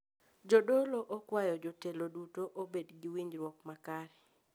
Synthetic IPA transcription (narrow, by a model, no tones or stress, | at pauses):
d͡ʒodoloʔokwajɔd͡ʒotelodutoʔobedɡɪwiɲɾwɔkmakaɾɛ